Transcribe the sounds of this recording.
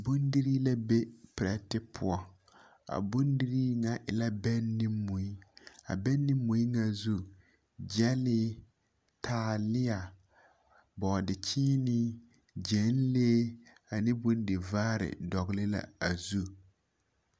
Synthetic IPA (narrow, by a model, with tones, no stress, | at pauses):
bʊ˦ndɪ˦ɾi˦la˦be˦pɪ˨ɾɛ˦tɪ˦pʰʊ˦ɔ˦ | a̰˨bʊ˦ndɪ˦ɾi˦ŋa˨ʔɪ̰˨la˦bɛ˦nːi˦mːu˨i˦a̰˨bɛ˦nːi˦mːu˨i˦ŋa˨zu˦ | d͡ʒɛ˦lɪ˦ | tʰaː˨˦˨lɪ˦a˨ | bɔ˨dɪ˨t͡ʃiː˦nɪ˦ | d͡ʒɛ˨˦n˦leː˦ | a˨nɪ˦bʊ˦ndɪ˨vaː˦ɾɪ̰˨dɔ˨ɣlɪ˦la̰˨a˨zu˦